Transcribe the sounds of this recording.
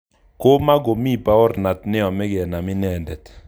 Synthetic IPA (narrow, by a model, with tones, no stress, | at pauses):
ko˦ma˦ɡo˨mi˦pa˦ɔ˦ɾna˨tnɪ˦ɔ˨mɛ˦ɡɛ˨na˨mɪ˦nɛ˨ndɛ˨t